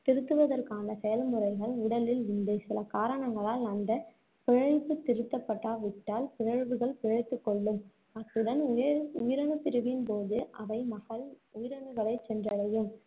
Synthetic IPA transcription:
t̪ɪɾɯt̪ːɯʋɐðɐrkaːnɐsɛjɐlmɯɾɐɪɣɐɭʊɽɐlɪlɪnd̪esɪlɐkaːɾɐɳɐŋɡɐɭaːlɐnd̪ɐ | pɪɻɐɪpːɯt̪ːɪɾɯt̪ːɐpːɐʈːaːʋɪʈːaːlpɪɻɐɻʋɯɣɐɭpɪɻɐɪt̪ːɯkːɔɭːɯm | ɐðɯɽɐnʊjɪɾɐɳɯp̪ɪɾɯʋɪnpoːðɯʔɐʋɐɪmɐɣɐɭʊjɪɾɐɳɯɣɐɭɐɪt͡ʃːɛndrɐlɐjɯm

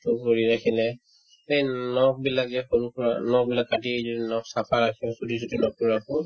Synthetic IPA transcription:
tʊkoɹiɹakʰilɛ | ejnɔk̚bilak̚zɛxoɹukɔɹanɔk̚bilakːatizodinɔksapʰaɹakʰĩsudis̬utinɔk̚uakɔ

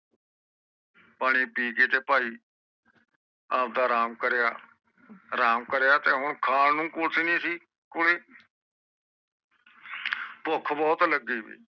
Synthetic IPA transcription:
paːɽ̃iːpiːkeːt̪eːpaːiː | aːp̚d̪aːɾaːmkəɾejaː | ɾaːmkəɾjaːt̪eːɦʊɳkʰaːnnũːkʊlsinẽːsiː | kʊleː | pʊkʰbɔːt̪ləɡiːbḭː

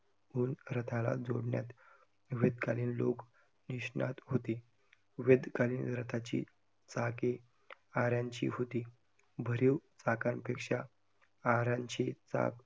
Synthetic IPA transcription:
uːnɾət̪ʰala̰d͡zo̰ɽɳja̰t̪ | ʋed̪kaliːnlok | niɕɳa̰t̪ɦot̪iː | ʋed̪kaliːnɾət̪ʰat͡ɕḭː | t͡sake | aɾjãɲt͡ɕḭːɦot̪iː | bʱəɾiwt͡sakanpekʂa | aɾãɲt͡ɕit͡sa̰k

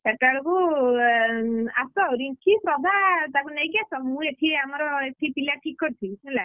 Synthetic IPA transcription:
eʈaɭɔku | asɔɦoɾikipɾɔd̪ʱat̪akunejkiasʰɔmũeʈʰiamɔɾɔeʈʰipilaʈʰikːɔɾt̪ʰisũla

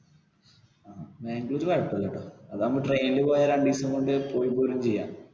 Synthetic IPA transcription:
aːbeːŋɡiloɾuʋɐɻpːɐleʈːoːɐðɐmːɐʈrejnilepoːjɐɾɐɳɖiːsɐŋkoɳɖɨpoːjipːoːrumt͡ɕejːa̰ː

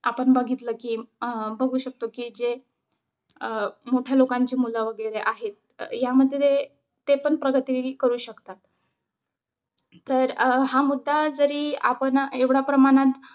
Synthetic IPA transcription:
apəɳbəɡʱit̪ləkiːbəɡʱuːɕək̚t̪okiːd͡ʑe | moʈʰjalokaɲt͡ɕemulaʋəɡeleʔaɦet̪̚ | jaməd̪ʱjeje | t̪epəɳpɾəɡət̪ikəɾuːɕəkt̪at̪ | əɾɦamud̪ʱːad͡zəɾiːa̰pəɳeʋɽapɾəmaɽ̃at̪

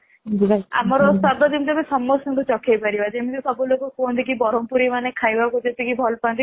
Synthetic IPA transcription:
d͡ʒia̰mɔɾɔsaɾd̪ʱɔd͡ʒemid͡ʒ̪emẽsɔmːɔsɔ̃ŋkut͡ʃɔkʰejpaɾibad͡ʒemid͡ʒesɔbulokɔkond̪ikibɔɾɔmpuɾimanekʰajbakud͡ʒet̪ikibʱɔlpand̪i

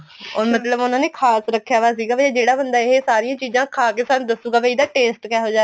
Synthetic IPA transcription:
ɔːɾmət̪ləbʊnãːneːkʰaːsɾəkʰːjaːʋaːs̬iːɡaːbed͡ʒeːɽaːbənd̪aːɪɦesaːɾijãːt͡ʃiːzãːkʰaːkeːsaːnːd̪əsuːɡaːbeiːd̪aːʈeːsʈkɛːɦoːd͡ʒaː

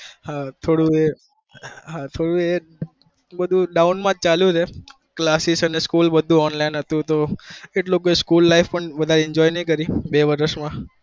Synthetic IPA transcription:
hat̪ʰoɽũe | ɦat̪ʰoɽũe | bəd̪ʱũɖaunmãd͡ʒ̚t͡ʃaljũt͡ʃʰe | klasisəneskulbəd̪ʱũɔnlainɦət̪ũt̪oeʈlokoeskulːaifpəɳʋəd̪ʱaɾeɪɲd͡ʒɔjnəik̬əɾibeʋəɾəʃmã

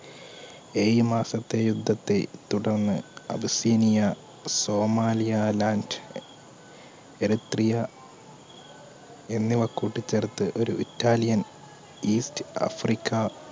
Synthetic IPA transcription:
eːjmaːsɐt̪ːe̞jud̪ʱːɐt̪ːet̪uɽɐrnːɨɐ̰bɐsiːnijɐ | so̞ːmaːlijɐlaːnd | eɾit̪rijɐ | e̞nːiʋɐkːuːʈːit͡ɕːert̪ːɨʔo̞ɾuʔitːaːlijɐn | iːstɐ̰frikʰːɐ

